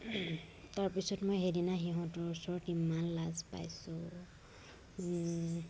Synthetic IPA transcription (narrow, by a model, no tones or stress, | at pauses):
taɹpisɔtmojɦedinaxiɦɔ̃tɔɹusɔɹɔtimanlazpa̰jsʊ